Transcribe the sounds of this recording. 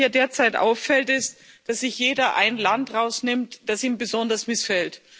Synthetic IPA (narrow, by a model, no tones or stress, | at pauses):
ɐdeːɐt͡saɪtʔa̰ʊfːɛltɪst | d̥asz̥ɪçjeːdɐʔa̰ɪnlantʁaʊsnɪmtd̥asiːmbəzɔndɐsmɪsfɛlt